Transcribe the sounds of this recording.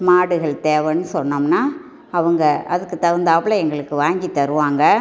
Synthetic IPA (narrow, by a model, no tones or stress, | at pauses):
maːɽɯɣɐɭt̪eːʋɐnːɯsɔnːɐmnaː | ɐʋɐŋɡɐʔɐðɯkːɯt̪ɐʋɐnd̪aːpɐɭɐɛŋɡɐɭɯkːɯʋaːŋɡit̪ːɐɾɯʋaːŋɡɐ